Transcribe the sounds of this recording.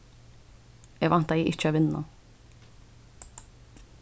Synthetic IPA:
ʔɛːɡʋɑnt̪ɑiːʔɪt͡ʃːəaːʋɪnɑ̰

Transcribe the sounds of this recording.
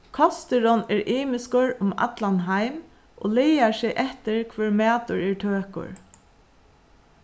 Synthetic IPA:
kʰɔst̪ɪɾɔnɛɹʔiːmɪskʊɹʊma̰t̪lanɦajm | ʔo̰ːlejaɹsɛʔɛht̪ɪɹkʰʋɛːɹmæːt̪ʊɹɛɹt̪ʰøːkʊ̰ɹ

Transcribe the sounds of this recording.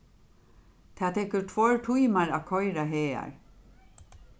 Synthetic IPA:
t̪ʰaːt̪ʰɛkʏɾt̪ʰvɔɹʈʰujmaɾakʰɔjɾaɦɛːa̰ɹ

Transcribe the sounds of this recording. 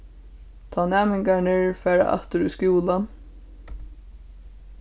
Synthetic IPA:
t̪ʰɑːnɛːmɪŋkaɳɪɹfɛːɹa̰ʔɑ̰ht̪əɾʏskuːlan

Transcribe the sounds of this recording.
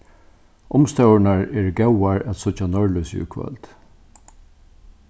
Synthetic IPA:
ʔʊmst̪ɛwnaɹɛːɹɡɛwaɹæt̪sʊt͡ʃːanɔɹlʊsʊ̰kʰʋœ̰lt̪

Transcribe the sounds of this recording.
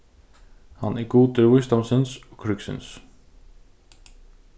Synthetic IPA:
ha̰nʔɛɾɡuːt̪ɪɾvʊjst̪awmsɪnsɔkʰɾʏksɪ̰ns

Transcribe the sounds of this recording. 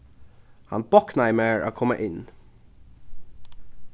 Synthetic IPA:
hɑ̰nb̥ɔknaɪmæɹʔa̰kʰɔmːə̰ʔɪn

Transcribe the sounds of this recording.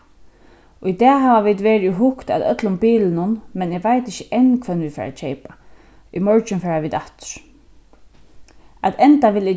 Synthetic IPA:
ʊid̪ɛːɦaːʋaʋiːd̪ʋeːɹʊɦʊkt̪a̰d̪œ̰t̪lʊmbiːlɪnʊnmɛnɪɡʋajt̪ɪçəʔɛnːkʰvɛnvi̥ːfɛ̰ːɹa̰t͡ʃʰɛjpa | ʊ̰mɔɹt͡ʃɪnfɛːɹaʋiːd̪aht̪ʏ̥ɹ̥ | at̪ɛnt̪aʋɪlɪ

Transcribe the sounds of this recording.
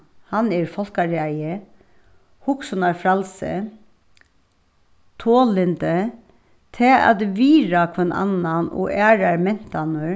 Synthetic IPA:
hɑneːɹfɔlkɑɾɛɪə | hʊksʊnɑɹfɾɑlsə̰ | t̪ʰoːlɪnd̪ə | t̪ʰeɑ̰t̪ʋiːɾɑkʰʋɛnʔɑ̰nːɑno̰ːʔæːɾɑɾmɛn̥t̪ʰɑnəɹ

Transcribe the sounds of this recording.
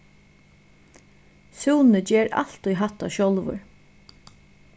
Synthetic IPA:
suːnəd͡ʒɛːɾa̰l̥t̪ujɦat̪aʃɔlʋʊ̰ɹ

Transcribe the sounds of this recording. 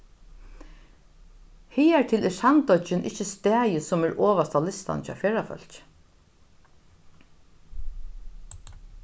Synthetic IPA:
hiːæɹt̪ʰɪlʔɪsant̪ɔt͡ʃɪnʔɪ̰t͡ʃːəst̪ɛːjəsɔmɛɹʔoːʋast̪ʰalɪst̪a̰nt͡ʃʰa̰feːɹafœ̰l̥t͡ʃ

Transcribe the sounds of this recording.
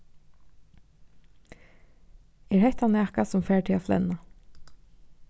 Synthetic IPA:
ɛɹhɛht̪ʰanæːkasʊmfɛːɹʈʰɪaflɛ̰na

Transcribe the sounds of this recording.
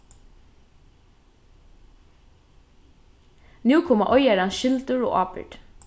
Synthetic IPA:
nʉːkʰʊːmaʔɔjæɾɑnʃɪlt̪ʉɹo̰ːʔɑːpɪ̰ɖ

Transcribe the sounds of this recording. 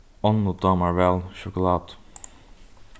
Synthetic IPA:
ɔnːud̪ɑmɑɹvɛlˠʃɔkʊlɑːd̪̥

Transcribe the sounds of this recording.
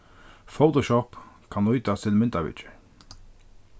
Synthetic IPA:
foʊt̪ɔʃɔp | kʰanujt̪ast̪ʰɪlmɪnt̪aʋɪ̰t͡ʃə̥

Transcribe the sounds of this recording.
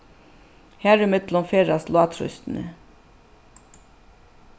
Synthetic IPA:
hæːɹɪmɪd̪lɔmfeːɾɑslʊɑt̪ʰɾʏ̰st̪n̩ə̰

